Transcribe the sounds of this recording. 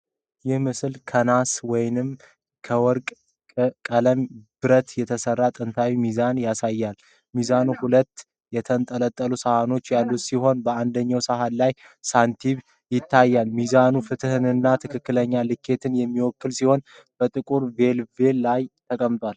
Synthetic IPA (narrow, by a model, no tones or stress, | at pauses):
jɛhmɨslkʰənaswɔjnɨm | kʰəwɔɾkʼ | kʼələmb̥ɨɾət̪jɛt̪ʰəsərːat̪ʼɨnt̪ʰawimizanjasajːal | mizanuhulət̪ː | jɛt̪ʰənt̪ʼələt̪ʼːəlusahano̞t͡ʃːjalːut̪siɦo̞nbəand̪əɲːawsaɦanlaj | sant̪ʰiβ | jɪt̪ʰːajːalmizanufɨt̪ʰɨhɨnɨnːat̪ʰɨkʰɨkːɨləɲːalɨkʰːe̞t̪ʰɨnjɛmːiwɔkːɨlsiho̞n | b̥ət̪ʼɨkʼuɾve̞lve̞lːajt̪ʰəkʼəmt̪ʼʰwal